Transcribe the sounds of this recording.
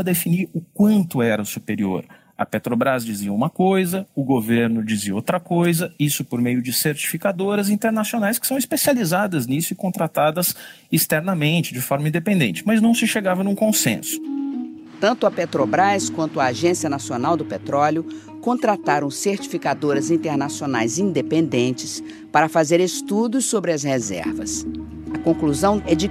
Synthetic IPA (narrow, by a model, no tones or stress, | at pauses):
ɐd̪efiniɾʊkwɐ̃nt̪ʊɛɾɐsupeɾio̰ɾ | ɐ̰pet̪ɾobɾazd͡ʒiziɐũmɐkojzɐʊɡoveɾnʊd͡ʒiziɐowt̪ɾɐkojzɐisʊpoɾmejʊd͡ʒɪseɾt͡ʃi̥fikad̪oɾɐzĩnt̪eɾnasionajskɪ̥sɐ̃w̃ispesializad̪ɐznisʊɪkõnt̪ɾat̪ad̪ɐz | ist̪ɛɾnɐmẽnt͡ʃɪd͡ʒɪfɔɾmɐĩd̪epẽnd̪ẽnt͡ʃɪmɐznɐ̃w̃sɪʃeɡavɐnũkõsḛ̃sʊ̥ | t̪ɐ̃nt̪ʊɐpet̪ɾobɾajskwɐ̃nt̪ʊaːʒẽsiɐnasionawd̪ʊpet̪ɾɔlʊ | kõnt̪ɾat̪aɾɐ̃w̃seɾt͡ʃi̥fikad̪oɾɐzĩnt̪eɾnasiona̰jzĩnd̪epẽnd̪ẽnt͡ʃɪ̥s | paɾɐfazeɾest̪ud̪ʊsːobɾɪɐshezɛ̰ɾvɐ̰s | ɐkõkluzɐ̃w̃ɛd͡ʒɪ